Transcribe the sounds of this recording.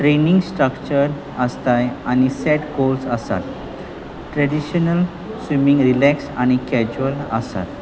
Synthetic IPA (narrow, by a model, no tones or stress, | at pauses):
ʈɾenĩŋɡsʈɾəkt͡ɕəɾ | əst̪ajañisɛʈɡolsəsa̰t̪ | ʈɾɛɖiɕənəl | sʋimĩŋɡɾilɛksaɽ̃ikɛd͡ʑuələ̰sa̰t̪